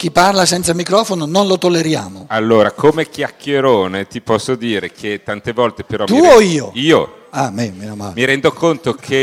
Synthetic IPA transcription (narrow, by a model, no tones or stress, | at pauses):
k̟ipːarlasɛnt̪samikɾɔːfonononlot̪olːeɾja̰ːmoalːoːɾakʰomek̟jakːeɾoːnet̪ipɔsːod̪iːɾekʰet̪ːant̪evɔlt̪epeɾɔmt̪uoiːoiːoamemenoma̰ːlmiɾɛnd̪okont̪okʰe